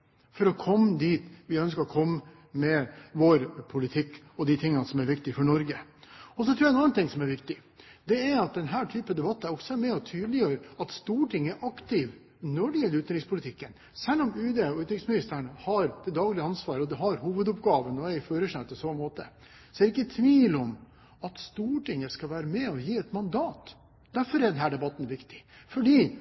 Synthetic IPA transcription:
fɔɾɔkʰɔmːəd̪iːt̪ʋɪœnskəɾɔkʰɔmːə | mɛʋɔɾpʰʊlɪt̪ʰɪkː | ɔd̪ɪt̪ʰɪŋːɑnsɔmæɾʋɪkt̪ɪfɔɳɔɾɡəɔs̬ɔt̪ʰɾuːjɛnɑnːnt̪ʰɪŋsɔmæɾʋɪkt̪ɪd̪ɛæɾɑt̪̚d̪ɛnɦæːʈʰyːpɑd̪ɛbɑt̪ːɑɔksɔæmɛɔt̪ʰyːd̪lɪjøːɾəɑt̪st̪uːʈʰɪŋːæɾɑkt̪ɪʋ | nɔɖɪjɛlːɾʉːt̪ɾɪŋspʰʊlɪt̪ʰɪkːən | sɛlːɔmʉːd̪eɔʉːt̪ɾɪŋsmɪnɪst̪əɳəhɑɾd̪̥ɛd̪ɑːɡlɪəɑnsʋɑːɾəɔd̪ɛɦɑɾhuːʋəd̪ʊpɡɑːʋənɔɛɾɪføːɾəʂɛt̪ːɔsɔːmoːt̪ə | sɔæɾɪkːət̪ʰʋiːlɔm | ɑt̪st̪uːʈɪŋːəskɑʋæːɾəmɛɔjiːɛt̪mɑnd̪ɑːt̪ | d̪̥æɾfɔɾɛɖɛnɦæːɖɛbɑt̪ːn̩ʋɪkt̪ɪ̥fɔɖiː

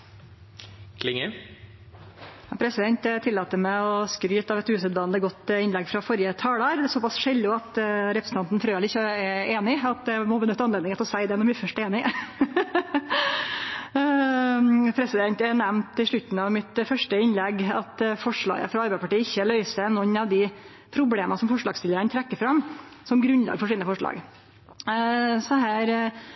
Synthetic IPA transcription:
kʰlɪŋə | ɑpʰɾɛsɪd̪ɛnt̪t̪ʰɪlːɑːt̪əmɛɔskɾyːt̪ɑʋɛt̪ʉːsəd̪ʋɑːnd̪əɡɔt̪ːɪnlɛɡfɾɑfɔɾjət̪ʰɑːləɾd̪ɛsɔpɑsʂɛlːʊɑt̪ɾɛpɾs̩ɑnt̪nfɾøːʋəlɪɪçɛeːnɪɑt̪̚d̪ɛmɔbənʏt̪ːəɑnleːd̪ɪŋət̪ɔsæɪd̪ɛnɔnb̪ɪːfœʂʈeːnɪ | pʰɾɛsɪd̪ɛnt̪ɛɳɛmnt̪ɪʂɭʉt̪n̩ɑʋmɪt̪fœʂʈəɪnlɛɡɑt̪fɔʂɭɑ̰ːɡə̰fɾɑɑɾbæɪpʰɑʈiːɪçːəlœʏsənɔnːɑʋd̪ɪ | pʰɾʊbleːmɑsɔmfɔʂɭɑːɡst̪ɪləɾənət̪ʰɾɛkːəfɾɑmsɔmɡɾʉnlɑ̰ːɡəfɔʂiːnəfɔʂɭɑ̰ːɡ | sɔd̪ɛɦæːɾ

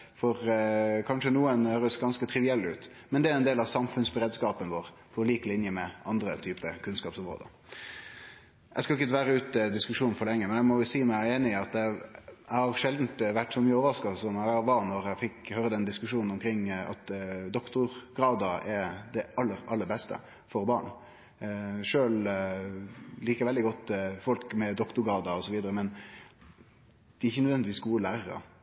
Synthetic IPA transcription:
fɔɾkʰɑnʂənuːənhøːɾəsɡɑnskət̪ʰɾɪʋɪɛlːʉ̰ːt̪ | mɛnd̪ɛæɾɛnd̪eːlɑʋsɑmfʉnsbəɾeːd̪skɑːpənʋoːʁ | pʰɔliːklɪnjəmɛʔɑnd̪ɾət̪ʰyːpəkʰʉnskɑːpsɔmɾo̰ːd̪ə̰ | ʔæɪskɑlɪk̬ːəəʋæːɾəʉːt̪əd̪ɪskʉʂuːnfɔɭlɛŋːəmɛnæɪmɔʊsiːmæɪeːnɪɑt̪̚d̪ɛæɪhɑɾʂɛld̪n̩t̪ʋæʈːsɔmyːəoːʋəɾɑskɑsɔmæʋɑnɔɾæɪfɪkhøːɾəd̪ɛnd̪ɪskʉʂuːnn̩ɔmkʰɾɪŋːɑ̰t̪d̪ɔkt̪ʊɾɡɾɑːd̪ɑɛɾd̪ɛʔɑlːəɾɑlːəɾbɛst̪ə̰ | fɔɾbɑːɳ | ʂøːl | liːkəɾʋɛld̪ɪɡɔt̪ːfɔlkmɛd̪ɔkt̪ʊɾɡɑːd̪ɑɔsɔʋiːd̪əɾəmɛn | d̪̥ɛɪçənœd̪ʋɛnd̪ɪʋiːsɡuːəlæːɾɾɑ̰

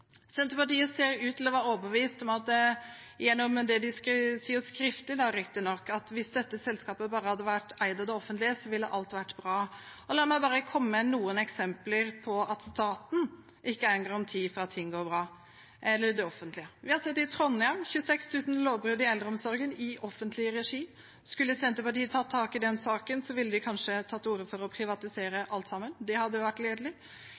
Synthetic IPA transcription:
sɛnt̪əpɑʈiːəseːɾʉːt̪ʰɪlɔʋɑːɾoːbəʋiːst̪ɔmɑt̪ | ɪjɛnːɔmd̪ɛd̪ɪsksiːəskɾɪft̪ɪd̪ɑɾɪkt̪ɪnɔkːɑt̪ʋɪsd̪ɛt̪ːəsɛlskɑːpəbɑːɾəhɑd̪ːəʋæʈːæɪd̪ɑd̪ɛɔfənt̪lɪəsɔʋɪlːə̰ʔɑlt̪ʋæʈːbɾɑːɔlɑːɾmæɪbɑːɾəkʰɔmːənuːənɛksɛmpləɾpʰɔɑt̪st̪ɑːt̪n | ʔɪkːəæɾənɡɑŋɔmt̪ʰiːfɔɾɑt̪ʰːɪŋːɡoːɾbɾɑː | ʔɛlːəɾd̪ɛɔfənt̪lɪəʋɪhɑsɛt̪ːɪt̪ʰɾɔnːɑmçʉəsɛkst̪ʰʉːsən̩loːʋbɾʉːd̪ɪɛld̪ɾəɔmsɔɾɡənɪʔɔfːənt̪lɪəɾɛʂiː | skʉlːəsɛnt̪əpɑʈiːt̪ʰɑːt̪ʰɑːkɪd̪ɛnsɑːkənsɔʋɪlːəd̪ɪkʰɑnʂət̪ʰɑːt̪ːuːɾəfɔɾɔpʰɾɪʋɑt̪ɪseːɾəʔɑlt̪sɑmːənd̪ɛhɑd̪ːəjʊʋæʈːleːd̪əlɪ

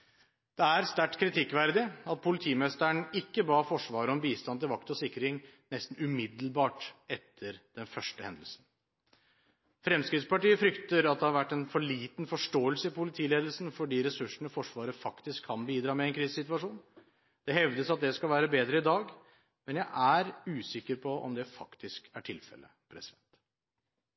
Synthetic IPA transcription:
d̪̥ɛæɾst̪æʈːkʰɾɪt̪ʰɪkːʋæɾd̪ɪɑt̪̚pʰʊlɪt̪ʰiːmɛst̪əɳɪkːəbɑːfɔʂʋɑːɾəɔmbiːst̪ɑnt̪ɪlʋɑkt̪ɔsɪkːəɾɪŋnɛst̪n̩ʉmɪd̪l̩bɑːʈɛt̪ʰːəɾd̪̥ɛnfœʂʈəhɛ̰nd̪əl̩sən | fɾɛmskɾɪt̪spɑʈiːəfɾʏkt̪əɾɑt̪̚d̪ɛhɑɾʋæʈːɛnfɔɭiːt̪nfɔʂʈoːəlsəɪpʊlɪt̪ʰiːleːd̪əl̩sən̩fɔɖiːɾɛsʉʂəɳəfɔʂʋɑːɾəfɑkt̪ɪskʰːɑnbiːd̪ɾɑːmɛɛnkʰɾiːssɪt̪ʋɑʂuːn | d̪̥ɛhɛʋd̪əsɑt̪̚d̪ɛskɑlʋæːɾəbeːd̪ɾəɪd̪ɑːɡ | mɛnjæɪʔæɾʉːsɪkːəɾpʰɔɔ̰md̪ɛfɑkt̪ɪskæʈʰɪlfɛ̰lə̰ | pʰɾɛsɪd̪ɛnt̪

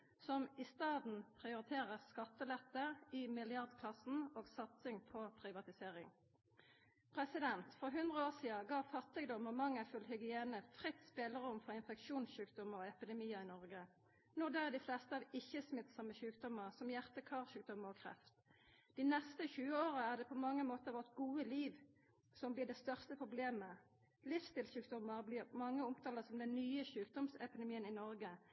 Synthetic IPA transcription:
sɔmɪst̪ɑːd̪n̩pʰʁɪʊɾɪt̪ʰeːʁəʁskɑt̪ːəlɛt̪ːəʁɪmɪlɪɑʁd̪kʰlɑsn̩oːɡsɑt̪sɪŋpʰɔpʰʁɪʋɑt̪ɪseːʁɪŋ | pʰʁɛsɪd̪ɛnt̪fʁɔɦʉnd̪ʁəoːsiːɑɡɑːfɑt̪ːɪɡd̪ɔmɔmɑŋːəæfʉlhʏɡɪeːnəfʁɪt̪ːspeːləʁʊmfɔʁɪnfɛkʃuːnsʉːkd̪ɔməɔɛpɪd̪ɛmiːəɪnɔʁɡə | nɔd̪ɛɛd̪ɪflɛst̪əɑːʋɪçːəsmɪt̪sɑmɛʃʉːk̚d̪ɔməʁsɔmjæʁt̪əkʰɑːʁʃʉːk̚d̪ɔmːəʁɔkʰʁɛ̰ft̪d̪̥ɪnɛst̪əçʉːəoːʁəæʁd̪ɛpʰɔmɑŋːəmoːt̪əʁʋɔʁt̪ɡuːəliːʋ | sɔmblɪːd̪ɛst̪œʁst̪əpʰʁʊbleːmə | lɪfst̪ɪlʃʉːkd̪ɔmːəʁblɪʁmɑŋːəʊmt̪ʰɑːləsɔmd̪ɛnːyːəʃʉːk̚d̪ɔmsɛ̰pɪd̪ɛmiːənɪnɔʁɡə

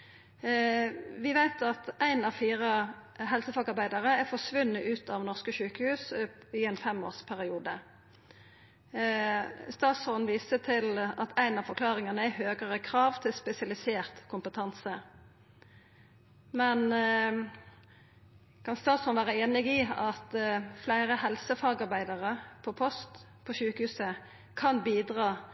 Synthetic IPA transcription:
ʋɪʋæɪt̪ʰɑt̪æɪnɑʋfiːʁəɦɛlsəfɑɡɑɾbæɪd̪ɑʁəæfɔsʋʉnːəʔʉːt̪ʰɑʋnɔʁskəʃʉːkəhʉːsɪæɪnfɛmo̰ːʁspʰæɾɪuːd̪ə | st̪ɑːt̪sɔnʋiːsət̪ʰɪlɑt̪ʰæɪnɑʋfɔɾkʰlɑːʁɪŋɑnəæhøːɡəʁəkʰʁɑːʋt̪ʰɪlspɛsɪɑlɪseːʁt̪kʰʊmpət̪ʰɑnsə | mɛn | kʰɑnst̪ɑːt̪sɔnʋæːʁəeːnɪɡiɑt̪flæɪʁəhɛlsəfɑːɡɑɾbæɪd̪əʁəpʰɔpʰɔst̪ | pʰɔʃʉːkəhʉːsə | kʰɑnbiːd̪ʁɑː

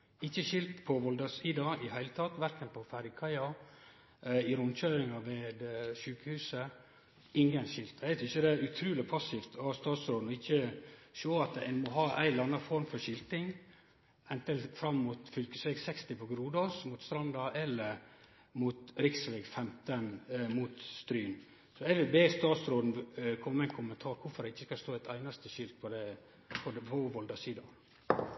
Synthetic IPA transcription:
ɪçːəʃɪlt̪pʰɔʋɔld̪ɑsiːd̪ɑɪhæɪlət̪ʰɑt̪ʋæɾkənpʰɔfæɾkʰɑɪɑ | ɪɾʊmt͡ʃøːɾɪŋɑʋeːd̪ʃʉːkəhʉːsə | ɪŋɡənʃɪlt̪æɪt̪ʰɪsçəd̪ɛæɾʉt̪ʰɾʉːlɪpʰɑsɪft̪ɔst̪ɑːt̪sɾoːd̪n̩ɔɪçəʃoːɑt̪æ̰nmɔɦɑːʔæ̰ɪlɑnɑfɔɾmfɔɾʂɪlt̪ɪŋ | ɛnt̪ənfɾɑmːuːt̪fʏlkəsʋɛɡsɛkst̪ɪpʰɔɡɾuːd̪ɑsmuːt̪st̪ɾɑnd̪ɑʔɛlːə | muːt̪ɾɪksʋɛɡfɛmt̪ənmuːt̪st̪ɾyːn | sɔɛʋɪbeːst̪ɑːt̪sɾoːd̪n̩kʰɔmːɛæɪnkʰʊmənt̪ʰɑːɾkʰʊɾfɔɾæɪçːəskɑst̪oːæɪt̪ʰæɪnɑst̪əʃʏlt̪̚pʰɔd̪ɛ | pʰɔd̪pʰɔʋɔld̪ɑsiːd̪ɑ

